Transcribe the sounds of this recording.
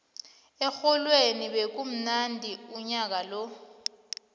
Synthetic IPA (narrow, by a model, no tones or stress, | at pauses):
ɛxɔlweniɓek̬um̩nandʱiuɲak̬alo